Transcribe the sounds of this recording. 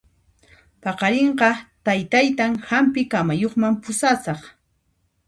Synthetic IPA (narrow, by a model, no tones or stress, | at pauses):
pɑqɑɾeɴɢɑt̪ajt̪ajt̪aŋhampɪkamajoχmampʊsasɑχ